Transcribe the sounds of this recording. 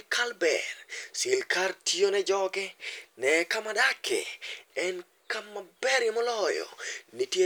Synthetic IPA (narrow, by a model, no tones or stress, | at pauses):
kʰalbɛ̰rsɪlkʰartʰjonɛd͡ʒɔɡɛnɛkamadakʰɛ̰ɛn | kamːabɛɾjɛmɔlɔjɔ̰nitje